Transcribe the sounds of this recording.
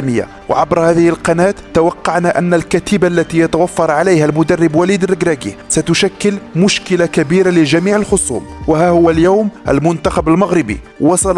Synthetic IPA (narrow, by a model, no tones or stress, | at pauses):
məjːa̰ | w̰ʕabɾhæːðɪhɪlqɑnæːt̪ːawɑqːɑʕnaʔænːælkæt̪ɪbalːæt̪ijɑt̪awafːɑɾˤʕalejhælmʊd̪ɑrˤːɪbwælid̪rːəɡɾæɡisæt̪ʊʃækːəlmʊʃkəlakæbiɾalɪʒæmiːʕəlxʊsˤṵːmwəɦæhʊwːæljawmʔæ̰lmʊnt̪axabəlmaɣɾɪbḭ | wɑsˤɑl